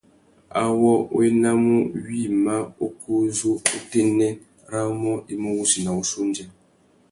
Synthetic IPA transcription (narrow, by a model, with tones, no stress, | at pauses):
a̰˨wɔ˦o̰˦e˦na˦mu˦ɥi˦ma˦o˦kʰo˦zo˦o˦te˦nɛ˦ | ɾa˦mɔ˦i˦mu˦wu˦si˨na˨u˨so˦n˦d͡ʒɛ˦